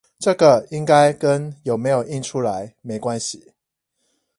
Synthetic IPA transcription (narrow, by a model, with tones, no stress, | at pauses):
ʈ͡ʂɤ˥˨ɡə˨i˦ŋka˦˥ɪkə˦njo˨˩ʊme˨˦ɪjo˨˩ʊi˥˩nʈ͡ʂʰu˦la˧˦ɪme˨˦ɪkwa˦nɕi˨